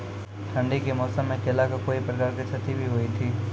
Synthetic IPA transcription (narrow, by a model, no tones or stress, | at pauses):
ʈʰəɳɖikemɔːsəmẽkelakkoipɾəkaɾket͡ʃʰət̪ibʱiɦoːit̪ʰiː